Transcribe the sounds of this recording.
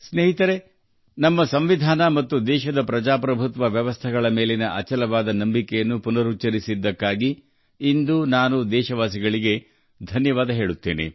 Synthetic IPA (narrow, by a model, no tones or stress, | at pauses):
sneːɦit̪ɐɾe̞ | nɐmːɐsɐmʋid̪ʱaːnɐmɐt̪ːud̪ɛːʃɐd̪ɐpɾɐd͡ʒaːpɾɐbʱut̪ʋɐʋjɐʋɐst̪ʰɛɡɐɭɐmeːlenɐʔɐt͡ʃɐlɐʋaːd̪ɐnɐmbikɛjɐnːupunɐɾut͡ʃːɐɾisid̪ːɐkːaːɡiː | nd̪unaːnud̪ɛːʃɐʋaːs̬iɡɐɭiɡe̞ | d̪ʱɐnjɐʋaːd̪ɐɦe̞ːɭut̪ːeːne̞̰